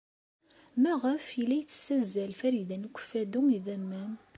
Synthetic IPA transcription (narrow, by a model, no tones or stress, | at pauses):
mæʁəfilːæjt͡sːə̥sæzːælfæɾjðænkʷːfæd̪uŋiðæmːæn